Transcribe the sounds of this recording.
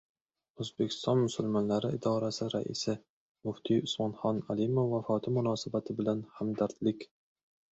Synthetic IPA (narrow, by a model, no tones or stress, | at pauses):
ɵzbɪkʲʰɪ̥st̪ɑnmʊsʊlmɑnlæɾɪɪd̪ɑːɾasɪɾæ̰ʔḭsɪ | mʊft̪ʰiʊsmɑnχɑnælimʊfːæfɒːt̪ʰɪmunɑːsɪbæt̪ʰɪbɪlænhæmd̪æɾd̪lɪkʲ